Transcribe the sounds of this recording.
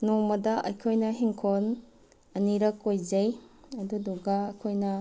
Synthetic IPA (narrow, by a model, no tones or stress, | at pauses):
nomɐdɐʔɐjkʰojnɐɦiŋkʰon | ɐniɾɐkːojzɐjɐduduɡɐːkʰojnɐ